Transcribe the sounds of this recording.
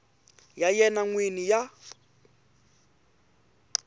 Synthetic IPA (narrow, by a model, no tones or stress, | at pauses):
jajɛnaŋwinija